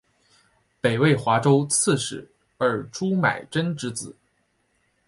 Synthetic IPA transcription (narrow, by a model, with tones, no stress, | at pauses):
pe˨˩ɪwe˥˩ɪxwa˧˥ʈ͡ʂo˥ʊt͡s̩ʰ˥˩ʂɻ̩˨˩˦ | ə˞˧˥ʈ͡ʂu˥ma̰˨˩ɪʈ͡ʂə˥nʈ͡ʂɻ̩˧˥t͡sɹ̩˨˩˦